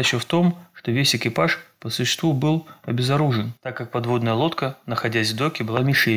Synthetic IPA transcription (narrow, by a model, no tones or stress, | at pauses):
ɪɕəft̪o̞mʂt̪o̞vʲesʲɪkʲɪpaʂpəsʊɕːɪ̥st̪vubɨlˠɐbʲɪzɐɾuʐɨnt̪akːak̚pɐd̪vo̞d̪nəjəlˠo̞t̪kənəxɐdʲæsʲvd̪o̞kʲɪbɨlˠamʲɪʂe